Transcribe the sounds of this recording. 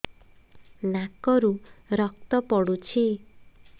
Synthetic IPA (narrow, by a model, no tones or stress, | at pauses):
nakɔɾuɾɔk̚t̪ɔpɔɽut͡ʃʰi